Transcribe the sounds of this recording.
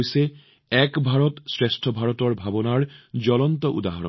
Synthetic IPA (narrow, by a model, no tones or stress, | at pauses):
jse | ɛkbʱaɹɔt̪sɹesʈʰɔbʱaɹɔtɔɹbʱabɔnaɹd͡ʑɔlɔnt̪ɔʔṵd̪aɦaɹɔ̰n